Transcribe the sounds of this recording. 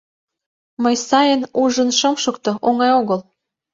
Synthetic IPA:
məjsɑjənuʒə̆nʃɤ̆mʃə̆k̚t̪ŏʔoŋɑjoɣəl

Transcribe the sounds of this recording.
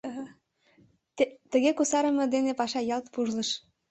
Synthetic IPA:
t̪et̪əɣekusɑɾə̆mɤ̆d̪enepɑʃɑjɑlt̪puʒlə̆ʃ

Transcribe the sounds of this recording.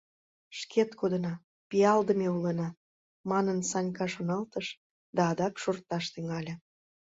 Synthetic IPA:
ʃkʰet̪kod̪ənɑ | pijɑld̪əmeulənɑ | mɑnənsɑnʲkɑʃonɑlt̪əʃ | d̪ɑːd̪ɑkʃort̪ɑʃt̪yŋɑlʲe

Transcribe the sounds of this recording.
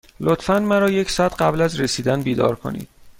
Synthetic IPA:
lot̪fænmæɾɒːje̞cʰsɒːæt̪ɢæblæzɾesiːd̪ænbiːd̪ɒ̰ːɾkʰo̰nḭːd̪̥̚

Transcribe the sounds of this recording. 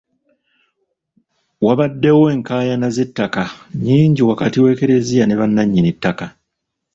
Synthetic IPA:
waβadːe̞woeŋkaːjanaze̞tːakaɲiːɲɟiwakatiwe̞ːke̞ɾe̞zijane̞βanːaɲːinitːaka

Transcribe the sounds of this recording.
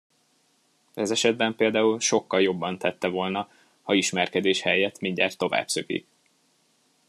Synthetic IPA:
ɛzɛʃɛd̪̚bɛmpeːld̪aːulʃo̞kːɒljo̞bːɒnt̪ʰɛt̪ːɛvo̞lnɒ | hɒiʃmɛrkɛd̪eːʃhɛjɛt̪miɲɟa̰ːrt̪ːo̞va̰ːbsøɡḭk̚

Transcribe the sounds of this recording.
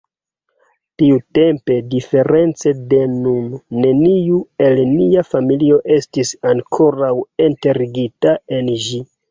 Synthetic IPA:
tiute̞mpe̞dife̞ɾe̞nt͡se̞de̞nunːe̞niue̞lniafamilio̞ʔe̞stisaŋkʰo̞ɾawente̞ɾiɡitae̞nʒi

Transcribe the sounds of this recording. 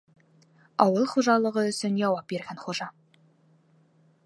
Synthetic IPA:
ɑwəlˠχoʒɑlˠəʁəʏsɪnʒɑwɑp̚be̞ɾɡʲenχoʒɑ

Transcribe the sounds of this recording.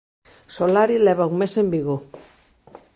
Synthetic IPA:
solaɾileβ̞auŋmese̞mbiɣu

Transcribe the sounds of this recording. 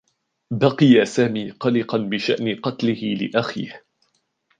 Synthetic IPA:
bɑqɨjasaːmiːqɑlɪqɑnbɪʃa̰ʔnɪqɑt̪lɪhɪlɪ̰ʔaxḭːh

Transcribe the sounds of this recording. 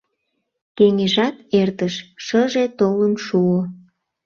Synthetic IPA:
keŋeʒɑt̪ert̪əʃʃəʒet̪oləmʃuo

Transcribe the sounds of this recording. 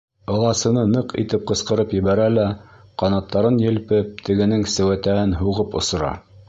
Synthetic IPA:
ɤ̆lˠɑsɤ̆nɤnɤqḭt̪ɘp̚qɤ̆sqɤ̆ɾɤpjɘ̆βæɾælæqɑnɑt̪ːɑɾɤnjɘ̆lpɘp̚t̪ʰɘ̆ɡɘ̆nɘŋsæwæt̪æhɘnɦuʁɤpŏsɤ̆ɾɑ̰

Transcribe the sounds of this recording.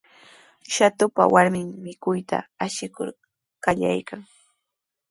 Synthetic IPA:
ʃat̪ʊpa̰waɾmɪŋmɪkʊjt̪a̰aʃɪkʊ̰ɾ | kaʎa̰jkʰaŋ

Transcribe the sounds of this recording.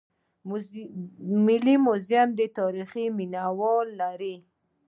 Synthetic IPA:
mɪlimʊzjamd̪ət̪ɑɾiχiminawɔlːaɾi

